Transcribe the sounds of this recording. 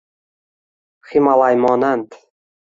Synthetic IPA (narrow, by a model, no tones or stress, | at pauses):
χimalˠajmɔnant̪